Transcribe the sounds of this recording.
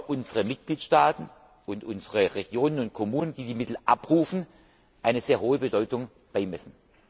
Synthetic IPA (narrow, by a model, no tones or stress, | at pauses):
ʔʊnzəʁəmɪt̚ɡ̥liːtʃtaːtn̩ | ʊntʔʊnzəʁəʁeɡ̥joːnənʊntkʰɔmuːnənd̥iːdiːmɪtl̩ʔa̰pʁuːfn̩ | ʔaɪnəz̥eːɐɦoːəbədɔʏtʊŋ | b̥aɪmɛsn̩